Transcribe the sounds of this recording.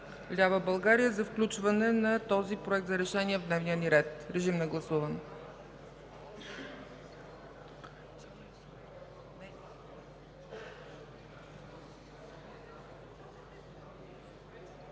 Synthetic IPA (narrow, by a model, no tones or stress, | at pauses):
lʲavəbɐlˠɡaɾijəzɐfklʲut͡ʃvənɛnɐt̪ɔzipɾoɛk̚t̪zɐɾɛʃɛniɛvd̪nɛvnijəniɾɛt̪ɾɛʒimnɛɡlˠɐsuvən